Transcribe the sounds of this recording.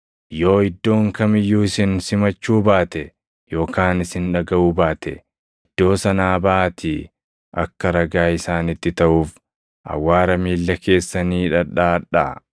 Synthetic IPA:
jo̞ːɪd̪ːo̞ːŋkɐmɪjːuːɪsɪnsɪmɐt͡ʃːuːbaːt̪ɛ | jo̞ːkaːnɪsɪnᶑɐɡɐʔuːbaːt̪ɛ̰ | ɪd̪̥ːo̞ːsɐnaːbɐːt̪ʰi | ʔɐ̰kːɐɾɐɡaːɪsaːnɪt̪ːɪt̪ɐʔuːf | ʔɐ̰wːaːɾɐmiːlːɐkʰe̞ːsːɐniːᶑɐᶑaːᶑa̰

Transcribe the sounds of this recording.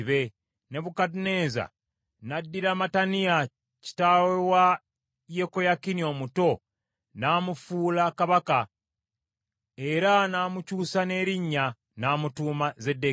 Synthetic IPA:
βe̞ | ne̞βukatune̞ːza̰ | nadːiɾamatanija | ci̥tawewa | jekojakinio̞muto̞ | naːmufuːlakaβaka | eɾanaːmucuːsane̞ːɾiɲːa | naːmutuːmazedːe

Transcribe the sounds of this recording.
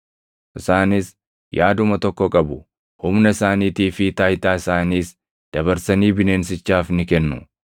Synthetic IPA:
ʔɪsaːnɪs | jaːd̪ʊmɐt̪ɔkːɔkʼɐbʊ | hʊmnɐɪsaːniːt̪iːfɪt̪aːjt̪aːɪsaːniːs | d̪̥ɐβɐɾsɐniːbɪne̞ːnsɪt͡ʃːaːfnɪkɛnːʊ

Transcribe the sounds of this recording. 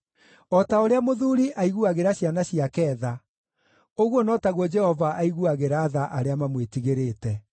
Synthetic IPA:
ɔtaoɾeamoðuɾiʔaiɣuaɣeɾaɕjanaɕiakɛːða | oɣwonɔtaɣwɔd͡ʒɛhɔvaʔaiɣuaɣeɾaːðaʔaɾeamamwetiɣeɾeːtɛ

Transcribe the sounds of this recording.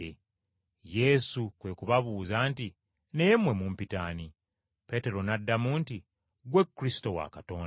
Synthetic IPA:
e | je̞sukwe̞kuβaβuːzaːnti | ne̞mwe̞mumpitani | pe̞ːte̞ɾo̞nadːamuːnti | ɡwe̞kːuɾisi̥to̞wa̰kato̞ːn

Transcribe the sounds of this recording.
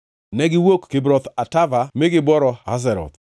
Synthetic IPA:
nɛɡɪwokkːɪbɾɔt̪atavamɪɡɪbɔɾɔha̰s̬ɛɾɔ̰t̪

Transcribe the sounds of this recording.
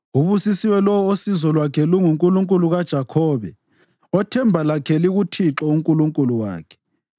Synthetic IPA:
uβusisiwɛlɔwɔosizɔlwakʰɛluŋuŋkʼuluŋkʼuluɣad̥ʒ̥ʱakʰɔːβɛ̰ | ɔtʰɛmbʱalakʰɛliɣutʰiǁɔuŋkʼuluŋkʼuluwa̰ːkʰɛ̥

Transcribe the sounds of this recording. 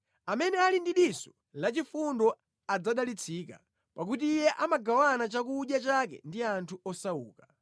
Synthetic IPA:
amɛnɛalindiɗisɔ | lat͡ʃifundɔ | ad͡zaɗalit͡sʰiːka̰ | pak̬utiːjɛʔamaɡawanat͡ʃak̬uːɗjat͡ʃakɛ̰ndiantʰuɔsaṵːka

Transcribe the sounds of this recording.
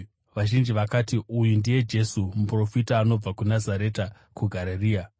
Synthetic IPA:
ʋaʒind͡ʒiʋakatiʔujundije̞d͡ʒe̞sumupro̞fitaːno̞b͡vakunazaɾe̞ta | kuɡʱaɾeriːa

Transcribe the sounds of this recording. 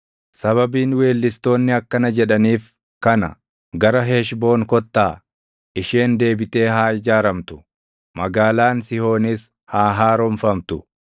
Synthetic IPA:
sɐβɐbiːnwe̞ːlːɪst̪o̞ːnːɪɐkːɐnɐd͡ʒɛᶑɐniːf | kɐnɐ̰ | ɡɐɾɐɦeːʃbo̞ːŋkɔt̪ːaː | ʔɪʃeːnd̪e̞ːbɪt̪ʼe̞ːhaːɪd͡ʒaːɾɐmt̪ʊ̥ | mɐɡaːlaːnsɪho̞ːnɪs | haːɦaːɾɔmfɐmt̪ʊ

